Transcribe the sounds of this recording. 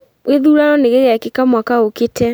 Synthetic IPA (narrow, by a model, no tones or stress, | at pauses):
weðuɾaɾɔneɣeɣakekamwakaoketɛ